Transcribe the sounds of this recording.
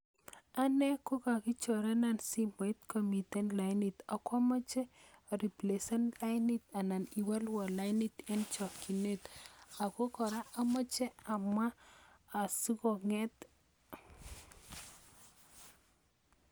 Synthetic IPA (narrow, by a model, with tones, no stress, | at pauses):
a˦nɛ˦ko˦ka˨kɪ˦t͡ʃɔ˨ɾɛ˦na˨nsi˦mɔ˨i˦t̪ko˨mi˨tɛ˦nla˨ɪni˨t̪a˨kwa˦mɔ˦t͡ʃɛ˦˨ɾi˨ple˨sɔ˦nla˦ɪni˦t̪a˨na˨ni˨wa˦lwɔ˨la˦ɪni˦t̪ɛ˦nt͡ʃɔ˨ki˨ne˦t̪a˨ko˦kɔ˨ɾa˦a˦mɔ˦t͡ʃɛ˦a˨maː˦˨ | su˦kɔ˨ŋɛ˦t̪